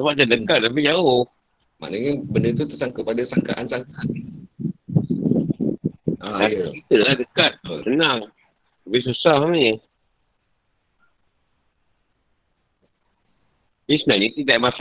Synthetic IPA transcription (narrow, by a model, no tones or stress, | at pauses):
səbaʔtadəkat̪̚lapid͡ʒaoh | ma̰ʔnəɲəbəndət̪̬ut̪əsaŋkəpadasaŋkaʔansaŋkaat | aajəkit̪əladəkat̪̚sənaŋ | əbɪs̬usahamiɲə | bisənaɲĩt̪idaʔmas